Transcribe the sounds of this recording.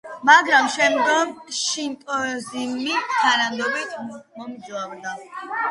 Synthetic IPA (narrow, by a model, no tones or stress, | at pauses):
maɡɾamʃɛmɡɔmʃint̪ʼɔzimːit̪ʰanand̪ɔbit̪ʰmɔmd͡ʒɔabd̪a